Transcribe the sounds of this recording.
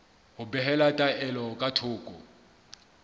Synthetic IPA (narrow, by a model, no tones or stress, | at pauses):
hʊbɛɦɛlatʼaɛlɔkʼatʰʊːkʼɔ